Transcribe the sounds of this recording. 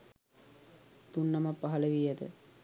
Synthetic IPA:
t̪unːamapːaɦɐləʋijəd̪ə̰

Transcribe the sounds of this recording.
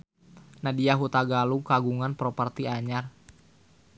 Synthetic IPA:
nadiaɦut̪aɡaluŋkaɡuŋanpɾopərt̪iaɲar

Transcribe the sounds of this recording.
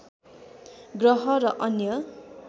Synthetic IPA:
ɡrʌɦʌɾʌʔʌnjʌ

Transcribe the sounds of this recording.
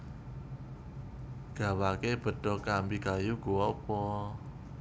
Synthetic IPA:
ɡ̥a̤wakeb̥ə̤d̥ɔ̤kambikajuɡ̥uɔpɔ

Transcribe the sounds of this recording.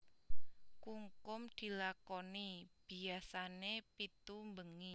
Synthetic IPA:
kuŋkʊmd̪̥i̤lakɔnib̥i̤asanepit̪umbəŋi

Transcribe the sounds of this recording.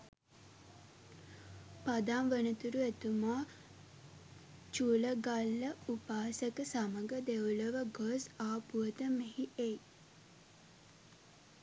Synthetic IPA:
pad̪amʋənət̪uɾuet̪umaː | t͡ʃuːləɡalːəupaːsəkəsaməɡəd̪euləʋəɡosaːpuət̪əmeɦiʔej

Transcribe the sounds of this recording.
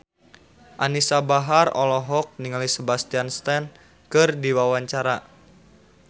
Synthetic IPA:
ʔanisabaɦarɔ̰lɔɦɔk̚niŋalisəbast̪ianst̪ɛn | kɨrdiwawaɲt͡ʃaɾa

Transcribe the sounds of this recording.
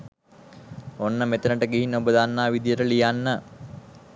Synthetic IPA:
onːəmet̪ənəʈəɡiɦinːəubəd̪anːaːʋid̪ijəʈəlijanːə

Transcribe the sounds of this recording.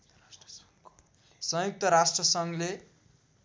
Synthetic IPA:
sʌ̃juk̚t̪ʌɾasʈrʌsʌŋle

